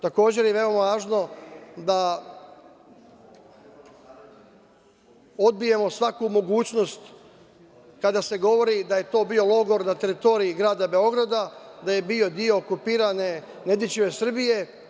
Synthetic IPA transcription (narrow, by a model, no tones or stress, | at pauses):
t̪ako̞ːd͡ʑe̞ɾjeʋe̞o̞maʋaːʒno̞d̪a | o̞d̪̚bije̞mo̞sʋakumo̞ɡuːt͡ɕno̞st̪ | kad̪ase̞ɡo̞ʋo̞ɾid̪aje̞t̪o̞ːbio̞lo̞ɡo̞ɾnat̪e̞ɾit̪o̞ɾiiɡɾaːd̪abe̞o̞ɡɾad̪ad̪aje̞bio̞d̪io̞ːkupiːɾane | ne̞d̪jit͡ɕiʋe̞sr̩bije̞